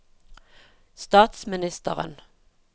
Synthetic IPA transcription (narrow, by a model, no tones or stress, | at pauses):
st̪ɑːt̪smɪnɪst̪ə̰ʁə̰n